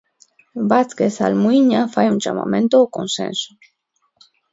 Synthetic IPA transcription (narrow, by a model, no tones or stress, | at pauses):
bat͡skesa̰lmujɲafajund͡ʒa̰ma̰mẽnt̪oːkonsḛnso̥